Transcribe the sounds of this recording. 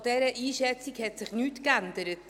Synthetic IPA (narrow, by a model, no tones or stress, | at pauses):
d̥ɛɾəʔiːʃɛt͡sikhɛtsɪχnyːtkændəɾət